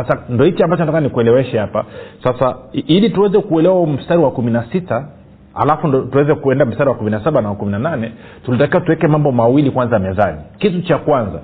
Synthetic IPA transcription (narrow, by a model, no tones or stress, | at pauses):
asandɔhit͡ʃiambat͡ʃɔnatakananikuɛlɛwɛʃɛhapa̰sasailituwɛzɛkuɛlɛwam̩staɾiwakuminasita | a̰lafundtuwɛzɛkuɛndam̩staɾiwakuminasaɓanawakuminananɛ | tulitakiwatuwɛkɛmambɔmawilikwanzajamɛðanikitut͡ʃakwanza̰